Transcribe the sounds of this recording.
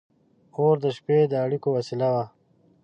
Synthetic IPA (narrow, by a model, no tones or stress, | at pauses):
oɾd̪əʃped̪əːɽikowasilawa